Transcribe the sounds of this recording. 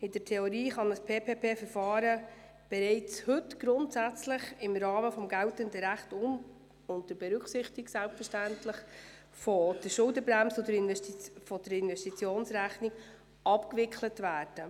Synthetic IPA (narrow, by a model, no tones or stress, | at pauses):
ɪdəɾtʰɛoɾiːχɑnəspʰeːpʰeːpʰeːfəɾfɑːɾə | b̥ɛɾɛɪt͡shɵtɡ̥ɾʊntsæt͡slɪχɪmɾɑːməfɔmɡæltəndəɾæχtʊm | ʊnt̚dəɾb̥ɛɾʉksɪχtiɡsælpfəʃtæntlɪχ | fod̥əʃʊldəbɾæmsɔdəɾɪnɛtfɔd̥əɾɪnvɛsʃtit͡sjoːnsɾæχniɡ | ʔɑpkvɪkχlətvæːɾd̥ə